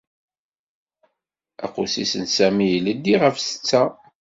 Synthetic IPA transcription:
æ̰qusisənsæmijələd̪ːiʁəfsə̥t͡sːæ

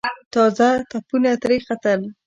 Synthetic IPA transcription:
t̪ɑzat̪apunat̪ɾixat̪əl

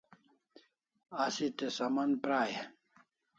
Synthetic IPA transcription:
asit̪esɐmɐnpɾaːje

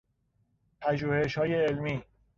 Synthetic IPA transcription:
pʰæʒuːhe̞ʃhɒːjeːlmiː

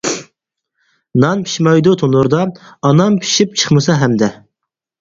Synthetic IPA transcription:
nɑnpʰi̥ʃmɑjd̪ut̪ʰonuɾd̪ɑɑnɑmpʰi̥ʃip̚t͡ʃʰə̥χmɨsɑɦɛmd̪ɛ

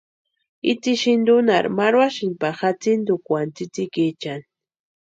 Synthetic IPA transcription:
it͡siʃind̪unaɾmaɾwaʃinpaxat͡sind̪ukʷant͡sit͡sikit͡ʃan

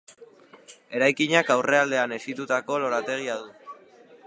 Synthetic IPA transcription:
e̞ɾajkiɲakawre̞ald̪e̞ane̞sit̪ut̪ako̞lo̞ɾat̪e̞ɣ̞iaðu

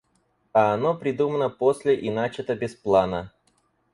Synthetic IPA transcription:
ɐːnopɾʲɪd̪umənəposʲlʲɪʔɪnat͡ɕɪt̪əbʲɪsplˠanə

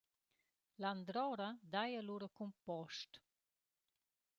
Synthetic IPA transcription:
land̪ɾɔɾad̪ajaluɾəkumpɔʃt

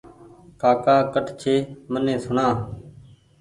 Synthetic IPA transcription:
kʰaːkaːkəʈʰt͡ʃʰeːmənẽːsʊɳãː

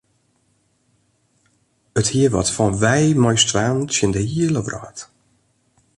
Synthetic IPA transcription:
əthiəʋɔ̰tfɔnʋɛjmɔjstʋaːntsjəndəhiələʋrɔ̰ːt

